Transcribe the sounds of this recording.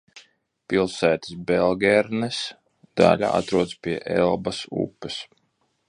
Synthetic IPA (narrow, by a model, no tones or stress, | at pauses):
pilˠsæːt̪i̥sbɛlˠɡʲɛɾnɛs | d̪̥a̰lʲa̰a̰t̪ɾuɔd̪spʲiɛʔɛlˠbasṵpːɛs